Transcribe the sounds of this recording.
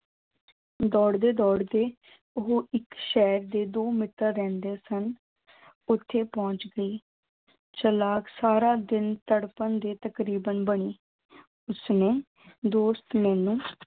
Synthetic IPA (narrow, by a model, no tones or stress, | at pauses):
d̪ɔːɽd̪eːd̪ɔːɽd̪eː | ʊɦoːʔɪkʃɛːɾd̪eːd̪oːmɪt̪ːəɾːɛ̃ːnd̪eːsən | ʊt̪ʰːeːpɔ̃ːt͡ʃɡəiː | t͡ʃəlaːksaːɾaːd̪ɪnt̪əɽpənd̪eːt̪əkɾiːbənbəɽ̃iː | ʊsneː | d̪oːst̪mɛːnũː